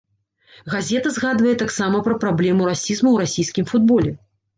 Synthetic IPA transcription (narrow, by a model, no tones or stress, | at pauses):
ɣazʲɛt̪ɐzɣad̪vɐjɛt̪aksamɐpɾɐpɾablʲɛmuɾasʲizmɐwɾasʲijskʲimfud̪̚bɔlʲɛ